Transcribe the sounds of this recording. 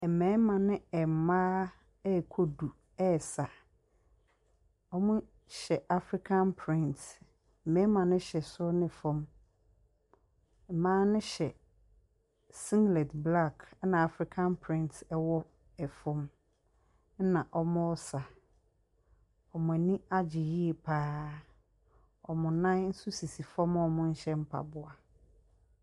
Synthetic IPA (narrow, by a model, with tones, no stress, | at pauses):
ɛ˨mɛ̃˨˦mã˨nɪ̃˦ɛ˨mãː˦ | ɛ˦˨kʰo˦du˨ | ɛ˦˨sa˨ | ɔ˦mʊ̃˦ | ɕɛ˨ʔa˨fɾi˦kʰã˦npʰɾɪ̃˦nt̩˨ | mɛ̃˦mã˨nʊ̃˦ɕɛ˨sʊ˦nɪ̃˨fʊ̃˦m˨ | mãː˦nɪ̃˦ɕɛ˨ | sĩ˦ŋɡlɛ˨tbla˦˨kʰnã˨a˨fɾi˦kʰã˦npʰɾɪ̃˦ntɛ˦wɔ˦ | ɛ˨fɔ̃˦m˦ | nã˨ʔɔ˦mʊ̃˦ɔ˦sa˨ | ɔ˨mʊ̃˨ɛ˨nĩ˦a˦d͡ʑɪ˨ji˦e˨pʰaː˦ | ɔ˨mʊ̃˨nã˦nn̩˦su˦si˨si˨fɔ̃˦mɔ˦mʊ̃˦n̩˦ɕɛ˦m̩˦pʰa̰˨bʊ˨a˨